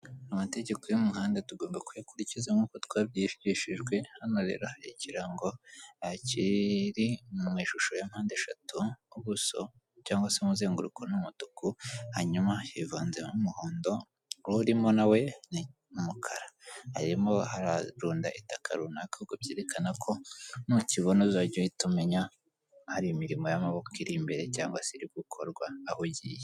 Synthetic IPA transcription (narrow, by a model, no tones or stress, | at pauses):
amate̞ɟe̞kojumuɦaːndetuɡo̞ːmbakujakuɾicizemukotwaːβjifɟiʃiʒɡwe̞hano̞ɾe̞̰ːɾo̞haɾiciɾaŋɡo̞aciɾimumiːʃuʃo̞jamhaːndeʃa̰tʰuβuso̞̰ | caːŋɡwasemuzeːŋɡuɾukʰonumutukuhaɲumahivaːnzemumuhoːndo̞ | uɾimo̞nawe̞ni | umukʰaɾahaɾimo̞haɾaɾuːndaʔitakʰa̰ɾunakoɡobjeːɾekanakʰo̞nuciβonozaɟoitume̞ɲa | haɾijomiɾimojamaβo̞kiɾimbe̞ɾe̞caːŋɡwaseɾikukʰo̞ɾɡwaːhuɟḭje